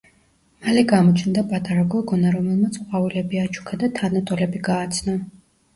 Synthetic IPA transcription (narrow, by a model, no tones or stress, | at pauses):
malɛɡamɔt͡ʃʰnd̪apʼat̪ʼaɾaɡɔɡɔnaɾɔmɛlˠmat̪sʼqʼavilɛbiat͡ʃʰu̥kʰad̪at̪ʰanat̪ʼɔlɛbiɡaːt̪sʰnɔ